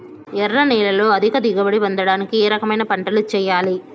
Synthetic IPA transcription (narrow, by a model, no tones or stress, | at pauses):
ɛɾːɐnɛːlɐlo̞ːɐd̪ʱikɐd̪iɡɐbɐɽiʋɐnd̪ɐɽaːnikieːɾɐkɐmɐjnɐpɐɳʈɐlut͡ʃɛːjaːli